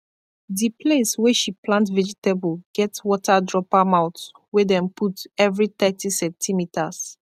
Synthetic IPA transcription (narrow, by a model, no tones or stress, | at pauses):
dipʰleswɛʃiplãntvɛd͡ʒitebəlɡ̥ɛtwɔtadɹɔpamaʊt | wɛdɛ̃mpʰutɛvɹit̪ɛtisɛ̃ntʰimitʰas